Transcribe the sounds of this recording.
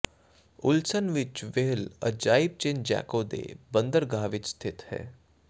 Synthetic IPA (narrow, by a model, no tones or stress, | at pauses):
ʊlsənʋɪt͡ʃʋeɦlə̰d͡ʒaːɪb̚t͡ʃɪ̃nd͡ʒɛ̰ːkoːd̪ḛbə̃nd̪əɾɡaːʋɪt͡ʃst̪ʰɪt̪hɛ̰ː